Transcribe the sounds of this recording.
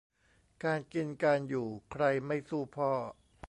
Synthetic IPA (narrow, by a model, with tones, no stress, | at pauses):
kaː˧nki˧nkaː˧njuː˨˩kʰɾa˧jma˥˩jsuː˥˩pʰɔː˧˩